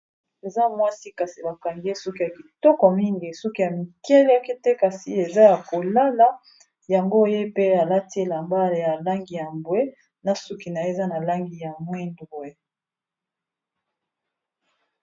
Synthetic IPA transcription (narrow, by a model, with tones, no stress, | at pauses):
e˨za˦mwa˦si˦ka˨si˨ba˨ka˨ŋɡe˦sɔ˦ki˦ja˨ki˨tɔ˦kɔ˨mi˦ŋɡi˨sɔ˦ki˦ja˨mi˨kɛ˦la˦ki˦te˦ka˨si˨e˨za˦ja˨ko˨la˦la˦ | ja˨ŋɡo˦je˦pe˦a˨la˦te˦˨la˨mba˦le˨ja˨la˦ŋɡi˨ja˨mbwe˦ | na˨su˦ki˨na˨e˨za˦na˨la˦ŋɡi˨ja˨mwe˦ndɡe˨